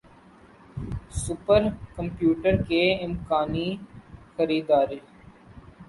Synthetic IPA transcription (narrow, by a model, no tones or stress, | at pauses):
sʊpəɾkə̃mpjuːʈəɾkeɪmkaːnixəɾiːd̪aːɾe